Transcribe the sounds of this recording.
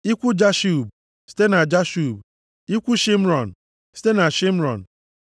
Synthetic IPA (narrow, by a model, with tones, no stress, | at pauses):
i˦kʷu˦d͡ʒa˦ʃu˦˨b̚ | si̥˦te˦na˨d͡ʒa˦ʃu˦˨b̚ | i˦kʷu˦ʃɪ˦m̩˦ɾɔ˨n̩˨ | si̥˦te˦na˨ʃi˦m̩˦ɾɔ̰˨n̩˨